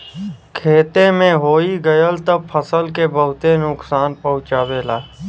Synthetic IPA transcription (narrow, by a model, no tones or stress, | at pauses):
kʰeːt̪emẽɦoːiɡəjəlt̪əb̚pʰəsəlkebəɦʊt̪enʊksaːnpəɦʊ̃t͡ʃaːweːlaː